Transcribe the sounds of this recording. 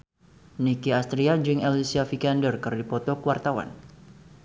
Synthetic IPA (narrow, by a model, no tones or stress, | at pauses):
nikiast̪ɾiad͡ʒɪŋɛlisiafikandərkɨrdipɔt̪ɔkəwart̪awa̰n